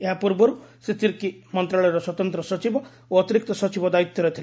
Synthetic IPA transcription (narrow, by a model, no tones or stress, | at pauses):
eɦapuɾbɔɾuset̪ʰiɾkimɔnt̪ɾaɭɔjɔɾɔswɔt̪ɔnt̪ɾɔsɔt͡ʃibɔ | oɔt̪iɾik̚t̪ɔsɔt͡ʃibɔd̪ait̪ːjɔɾɔt̪ʰil